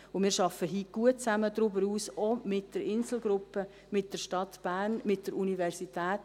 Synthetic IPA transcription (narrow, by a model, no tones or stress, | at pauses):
ʊmɪːɾʃɑfːəɦiːɡ̥uət̚t͡sæmədɾʏbəɾuːsɔmɪtd̥əɾɪnsl̩ɡɾʊpːə | mɪt̚d̥əɾʃtɑt̪b̥æːɾnmɪt̚d̥əɾʔunivɛɾsitʰæːt